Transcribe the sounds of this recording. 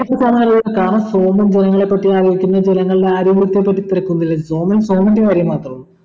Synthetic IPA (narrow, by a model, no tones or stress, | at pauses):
ɐʂɐsaːmɐɐɾɐðɐkːaːɳɐso̞ːmɐmd͡ʑenɐŋːɐɭe̞pːɐʈːijaːɡɐʋikʲːunːɐd͡ʑenɐŋːɐɭɖeaːɾiɡuɽt̪ːjepːɐʈːit̪ːiɾɐkːunɐilːesoːmɐlso̞ːmɐndekaːɾjɐmːaːt̪rɐm